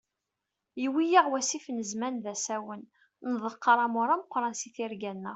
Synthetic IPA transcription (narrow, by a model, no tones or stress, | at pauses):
jiwijiʁwæsifnəzmænðæsæwən | nəðˤəqːəɾˤɑmʊɾˤaməqːɾˤɑnsiθiɾɡænːəʁ